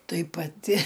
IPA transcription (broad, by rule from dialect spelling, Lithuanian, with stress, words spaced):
ˈtɐɪ pɐˈtʲɪ